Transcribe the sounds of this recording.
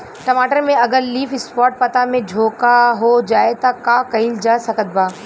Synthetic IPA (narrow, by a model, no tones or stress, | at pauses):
ʈɐmaːʈəɾmẽɐɡəɾliːfɪspɔːʈ̚pɐt̪amẽd͡ʒʱoːkaɦod͡ʒaːet̪akãkɐild͡ʒaːsɐkət̪̚baː